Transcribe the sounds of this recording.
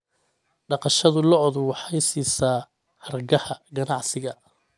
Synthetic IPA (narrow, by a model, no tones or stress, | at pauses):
ɖɑqɑʃɐðʊlɔɔðʊwɑħɑjsiːsaː | hɐrɡɐhɐɡɐnɑʕsɪɣɐ